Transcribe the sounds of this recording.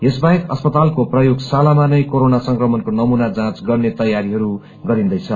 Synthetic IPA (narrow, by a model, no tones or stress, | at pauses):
esbaɦekʌspʌt̪alkoprʌjoɡsalamanʌjkoɾonasʌŋkrʌmʌnkonʌmunad͡zãt͡sɡʌrnet̪ʌjaɾiɦʌɾu | ɡʌɾĩnd̪ʌjt͡sʰʌ